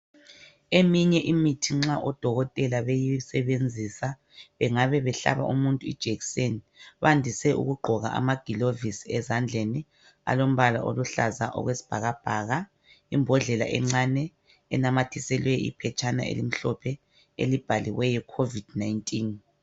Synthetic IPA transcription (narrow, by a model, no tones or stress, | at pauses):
emiɲɛʔimitʰiŋ͡ǁaʔɔd̥ʱɔɣɔtʼɛlaβejisɛβend͡zʱisa | βɛŋaβɛβɛɬa̰βa̰ʔṵmuntʼuḭd̥ʒ̥ʱekseni | βandʱisɛʔṵɣuɡ͡ǃʱɔɣa̰ʔa̰maɡ̥ʱilovisiɛzand͡ɮʱeni | a̰lom̩βala̰ʔo̰luɬazaʔɔ̰ɣwesi̥b̥ʱaɣab̥ʱaːɣa | imbʱɔɮɛla̰ʔɛ̰ŋ͡ǁanɛ | ɛ̰namatʰisɛlwɛḭpʰɛt͡ʃʼana̰ḛlim̩ɬɔpʰɛ | ḛlib̥ʱaliwɛjɛkʰovid̥najntʼin